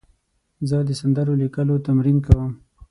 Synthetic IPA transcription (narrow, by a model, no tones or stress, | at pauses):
zəd̪əsand̪əɾolikəlot̪amɾinkawəm